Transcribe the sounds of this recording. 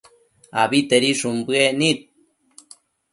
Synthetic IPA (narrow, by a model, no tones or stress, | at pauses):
a̰βit̪eɾiʂumbɨenit̪̚